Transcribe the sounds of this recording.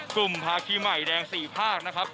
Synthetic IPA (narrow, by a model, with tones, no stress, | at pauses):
klu˨˩mpʰaː˧kʰiː˧˥ma˨˩jdɛː˧ŋsiː˨˩pʰaː˥˩k̚na˦˥kʰɾp̚